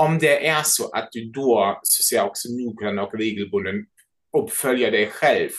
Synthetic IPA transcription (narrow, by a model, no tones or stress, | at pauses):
ɔmd̪ɛʔæsɔʔat̪̚d̪ʉd̪oːsɔ̥sɛaɔksɔnuːɡɾanɔkɾeːɡəlbʊnd̪ən | ʊpfœljad̪ɛjɧɛlv